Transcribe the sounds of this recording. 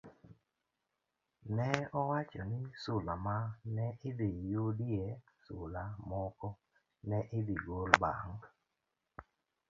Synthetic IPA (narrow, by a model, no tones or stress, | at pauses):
nɛɔwat͡ʃɔnɪsʊlamanɛɪd̪ijudie | sʊlamɔkɔ | nɛʔɪd̪iɡolbaŋ